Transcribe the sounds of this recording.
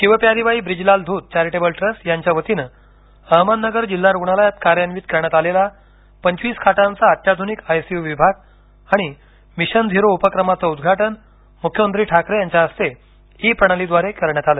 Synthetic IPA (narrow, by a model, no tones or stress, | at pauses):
kĩw̃ʋapjaɾiʋaiːbɾid͡ʑlald̪ʱuːt̪̚t͡ɕaɾiʈebəlʈɾəsjaɲt͡ɕjaʋət̪inə | əɦmənnəɡəɾd͡ʑilːaɾuɡɳ̃alajat̪kaɾjanʋiːt̪̚kəɾɳjat̪alela | pəɲt͡ɕʋiːskʰaʈãnt͡saːt̪jad̪ʱunikajsiuʋibʱaɡ̚ | aɽ̃i | miɕənd̪ʱiɾoupəkɾəmat͡səud̪ɡʱaʈən | mukʰjəmənt̪ɾiːʈʰakɾejaɲt͡ɕjaəst̪e | ɦipɾəɳ̃alid̪ʋaɾekəɾɳjat̪aləː